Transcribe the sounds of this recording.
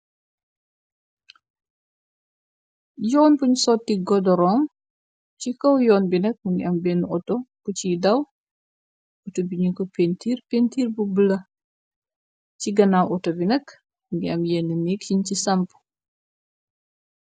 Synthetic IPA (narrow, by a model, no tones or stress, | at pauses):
jɔːnpuɲsɔtːiɡɔdɔɾɔːm | t͡ʃikɔwjɔːnbinɐk̚muŋɡiɐmbɛnɔtɔkucidɐw | ɔtobiɲikopentiːɾpentiːɾbubəlɐ | ciɡɐnawʔɔtɔbinɐk | muŋɡiɐmjenːəniːk̚ciɲcisɐmp